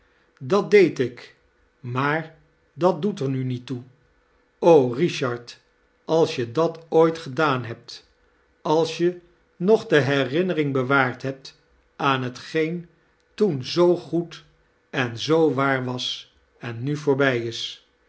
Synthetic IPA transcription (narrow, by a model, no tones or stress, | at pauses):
dɑt̚dejtɪk | maːɹ | dɑt̚dutəɹnynitːu | owriʃɑɹt | ɑlˠsjədɑtojtχədaːnɦɛp̚t | ɑlˠsjə | nɔχdəɦɛrɪnərɪŋbəʋaːɹtɦɛp̚t | aːnɦətχejn | tunzowχut | ɛnzowʋaːɹʋɑs | ɛnːyvʊːɹbɛjɪs